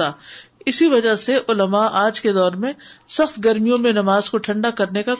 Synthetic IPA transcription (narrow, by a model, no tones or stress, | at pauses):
aːɪsiʋɐd͡ʒaseʔʊləmaʔaːd͡ʒked̪ɔːɾmẽsɐxt̪ɡɐɾmijõmẽnɐmaːzkoʈʰɐ̃ɳɖakɐɾneka